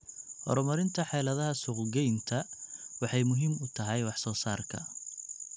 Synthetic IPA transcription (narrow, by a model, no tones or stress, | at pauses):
hɔ̰ɾɔmɐɾɪnt̪ʰɐħɛːlɐðɐɦɐsʊqɡɛjnt̪ʰɐwɑħɑjmʊɦiːmʊt̪ʰɐɦɛjwɑħsɔːsaːrkʰɐ̰